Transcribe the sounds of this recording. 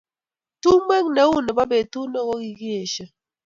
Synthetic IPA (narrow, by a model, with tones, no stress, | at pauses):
tu˦mɛ˦ŋne˨˦u˦˨nɛ˨ba˦be˨tu˦nɔ˦˨ko˦ki˨ɡi˦e˨ʃə˨